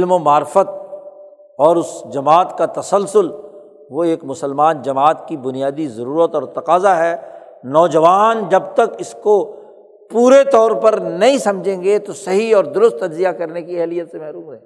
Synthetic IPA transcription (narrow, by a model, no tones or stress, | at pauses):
ɪlmomaːɾɪfət̪̚ | ɔːɾʊsd͡ʒɐmaːt̪kat̪ɐsəlsʊl | ʋoeːkmʊsəlmaːnd͡ʒɐmaːt̪kibʊnijaːd̪izɐɾuːɾət̪ɔːɾt̪ɐqaːzaɦɛː | nɔːd͡ʒɐʋaːnd͡ʒɐb̚t̪ɐkɪsko | puːɾet̪ɔːɾpɐɾnɐɦĩsɐ̃md͡ʒʱẽːŋɡet̪osɐɦiɔːɾd̪ʊɾʊst̪ːɐd͡ʒzijakɐɾnekiɛɦlijːət̪semɛɦɾuːmɾɛː